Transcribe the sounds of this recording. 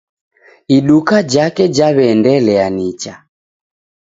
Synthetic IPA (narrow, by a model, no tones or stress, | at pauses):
iɗukad͡ʒakɛd͡ʒaβɛndɛlɛanit͡ʃa